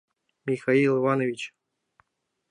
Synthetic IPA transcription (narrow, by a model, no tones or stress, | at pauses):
mʲixailˠɨvanovʲit͡ɕ